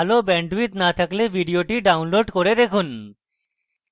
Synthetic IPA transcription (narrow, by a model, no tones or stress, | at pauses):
alobɛɳɖʋit̪nat̪ʰəkleʋiɖijoʈiɖaunloɖkoɽed̪ekʰun